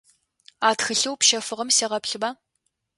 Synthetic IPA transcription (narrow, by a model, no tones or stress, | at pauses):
aːtxɨɬɨwpʃɐfɨʁɐmseːʁɐpɬɨbaː